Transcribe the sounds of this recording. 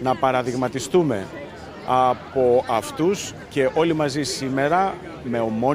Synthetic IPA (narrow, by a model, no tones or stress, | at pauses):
nɐpɐɾɐðiɣmɐt̪ist̪ume̞̰ | ɐpo̞ɐft̪us | ce̞ʔo̞limɐzisime̞ɾɐ | me̞o̞mo̞